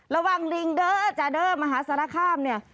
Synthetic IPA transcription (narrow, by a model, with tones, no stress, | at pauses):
ɾa˧wa˧˩ŋɾi˧ŋdɤː˧˩t͡ɕa˨˩dɤː˧˩ma˧ɦaː˩˦˥sa˨˦ɾa˧˥˩kʰaː˧˥˩mni˧˩ɐ